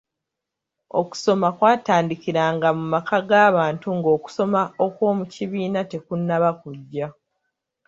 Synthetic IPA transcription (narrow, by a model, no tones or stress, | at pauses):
o̞̰ku̥so̞makwaːtaːndikiɾaːŋɡamumakʰaɡaːβaːntuŋɡo̞ːku̥so̞mao̞kwo̞ːmuciβiːnate̞kunːaβakuɟːa